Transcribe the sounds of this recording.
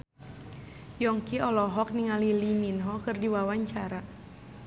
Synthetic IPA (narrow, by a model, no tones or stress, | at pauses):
jɔŋkiɔlɔɦɔk̚niŋaliliminɦɔkɨrdiwawaɲt͡ʃaɾa